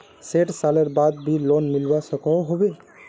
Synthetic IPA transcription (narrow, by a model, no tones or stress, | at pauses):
seʈsaləɾbad̪bilonmilbasɔkɔ̃ɦobe